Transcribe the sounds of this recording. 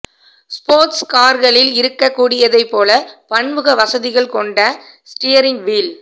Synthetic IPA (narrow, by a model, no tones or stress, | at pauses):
spoːɾʈskaːɾɣɐɭɪlɪɾɯkːɐkːuːɽɪjɐðɐɪpːoːlɐpɐɳʋɯɣɐʋɐsɐðɪɣɐɭkɔɳɖɐ | sʈɪjɐɾɪŋɡʋiːl